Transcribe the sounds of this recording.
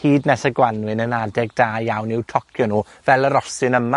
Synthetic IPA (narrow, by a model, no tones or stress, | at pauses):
hiːdnɛsəɡwanwɪnənadɛɡ̚daːjawnɪwtʰɔkʰjɔnuː | vɛlˠəɾɔsɨnəma